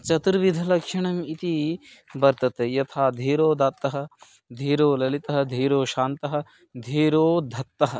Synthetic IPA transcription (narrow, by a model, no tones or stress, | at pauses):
t͡ʃɐt̪ɾɐʋid̪ʱɐlɐkʃɐɳɐmit̪ibɐɾt̪ɐt̪ejɐt̪ʰaːd̪ʱiːɾoːd̪aːt̪ːɐɦɐ̆ | d̪ʱiːɾoːlɐlit̪ɐɦɐ̆d̪ʱiːɾoːʃaːnt̪ɐɦɐ̆ | d̪ʱiːɾoːd̪ʱɐt̪ːɐɦɐ̆